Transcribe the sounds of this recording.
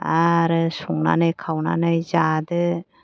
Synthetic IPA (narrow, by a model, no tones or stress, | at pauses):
aɾɯsuŋna̰najkʰawna̰najzad̪ɯ